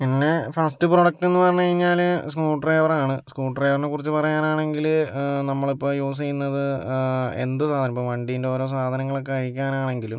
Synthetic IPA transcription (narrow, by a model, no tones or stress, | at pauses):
pinːe̞faːstɨproɽɐk̚te̞nːɨpɐrɐɲːukɐɻiɲːaːluskuːʈreːʋɐraːɳɨskuːʈreːʋɐrnekurit͡ɕːɨpɐrɐjaːnaːɳe̞ŋɡilnɐmːɐɭipːo̞ːjuːs̬ejunːɐðɨ | e̞̰nd̪ɨsaːd̪ʱɐnɐmipːoːʋɐɳɖiːindeoːɾo̞ːs̬aːd̪ʱɐnɐŋːɐɭokːɨkɐɻikʲːaːnaːɳe̞ŋɡilum